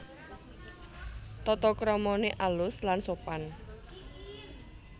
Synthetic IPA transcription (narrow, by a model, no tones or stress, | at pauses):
t̪ɔt̪ɔkɾɔmɔneʔalʊslansopan